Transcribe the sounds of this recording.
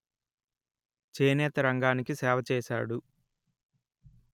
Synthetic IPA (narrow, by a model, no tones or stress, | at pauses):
t͡ʃeːnɛːt̪ɐɾɐŋɡaːnikisɛːʋɐt͡ʃɛːʃa̰ːɽu